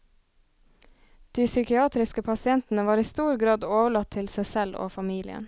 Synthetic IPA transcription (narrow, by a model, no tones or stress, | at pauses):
d̪̥iːsʏkɪɑːt̪ɾɪskəpʰɑsɪɛnt̪n̩əʋɑːɾiːst̪uːɾɡɾɑːd̪oːʋəɭɑt̪ʰɪlsæɪsɛlo̰ːfɑmiːlɪ̰ə̰n